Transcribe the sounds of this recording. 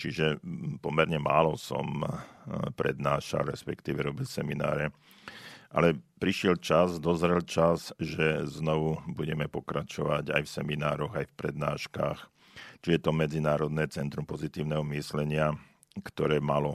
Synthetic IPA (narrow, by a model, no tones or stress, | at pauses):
t͡ʃiʒɛpɔmɛɾɲɛma̰ːlɔsɔ̰m | pɾɛ̰d̪naːʃa̰lɾɛspɛkt̪iːʋɛɾɔbilsɛmina̰ːɾɛ | ʔa̰lɛpɾiʃɪɛlt͡ʃazd̪ɔzɾɛlt͡ʃazʒɛznɔʋubuɟɛmɛpɔkɾat͡ʃɔʋaɟa̰jfsɛminaːɾɔɣajfpɾɛd̪naːʃka̰ːx | t͡ʃiɛt̪ɔmɛd͡zinaːɾɔd̪nɛːt͡sɛnt̪ɾumpɔzit̪iːʊnɛɦɔmislɛɲɪa | kt̪ɔɾɛːmalɔ